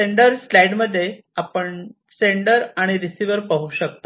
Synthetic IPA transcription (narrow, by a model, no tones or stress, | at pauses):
seɳɖəɾslɛjɖməd̪ʱːje | apəɳ | seɳɖəɾaɽ̃iɾisiʋəɾpəɦuɕək̚t̪ḁ